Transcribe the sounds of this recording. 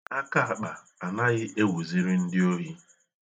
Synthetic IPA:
a˦ka˦a˨k͡pa˨ | a˨na˦ɣɪ˦ʔe˦wu˨zi˦ɾɪ˦n̩˦dɪ˦o˦ɦi˦

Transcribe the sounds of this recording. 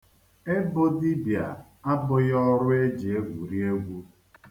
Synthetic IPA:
e˦bo˦di˦bja̰˨ | a˦bʊ˦jɔ˦ɾʊ˦e˦d͡ʒi˨e˦ɡʷu˨ɾi˦e˦ɡʷu˦

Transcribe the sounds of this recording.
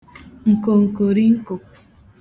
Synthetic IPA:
ŋ̩˨ko˨ŋ̩˨ko˨ɾi˦ŋ̩˦ko˨

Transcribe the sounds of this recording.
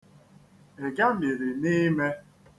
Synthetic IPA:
e˨ɡa˦mi˨ɾi˨ni˦me˦

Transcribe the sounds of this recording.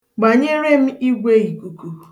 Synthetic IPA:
ɡ͡ba˨ɲe˦ɾe˦m̩˦i˦ɡʷe˦i˨ku˨ku˨

